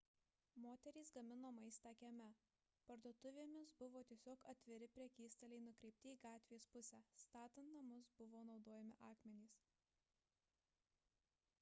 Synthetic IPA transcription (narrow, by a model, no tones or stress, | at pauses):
moːt̪ʲɛɾʲiːsɡɐmʲɪnoːmɐɪst̪ɑːkʲɛmʲɛ | pɐɾd̪oːt̪ʊʋʲeːmʲɪsbʊʋoːt̪ʲiɛsʲoːkɐt̪ʲʋʲɪɾʲɪpʲɾʲiɛkʲiːst̪ɐlʲɛɪnʊkɾʲɛɪp̚ʲt̪ʲɪiːɡɑːt̪ʲʋʲespʊsʲɛːst̪ɑːt̪ʲɐnt̪nɐmʊsbʊʋoːnɒʊd̪oːjɛmʲɪʔɑːkmʲɛnʲiːs